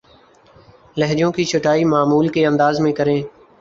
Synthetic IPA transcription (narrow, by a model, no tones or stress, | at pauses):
ləɦd͡ʒõːkiːt͡ʃʰʊʈaːiːmaːmuːlkeːənd̪aːzmẽːkəɾẽː